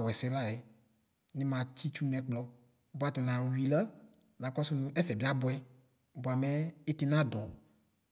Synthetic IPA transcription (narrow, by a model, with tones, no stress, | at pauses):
wɛ˨sɛ˦la˦jɛ˨ | nẽ˦mã˨t͡ɕi˦t͡ʃu˦nɛ̃˨k͡plɔ˦ | ba˦t̪ɔ˨nã˨wi˨la˦ | nã˨kɔ˦su˦nũ˦ʔɛ˦fɛ˨bi˦a˦bɔ˨˦ɛ˦ | bo˨a˨mɛ˦e˦t̪i˨nã˦dɔ̃˨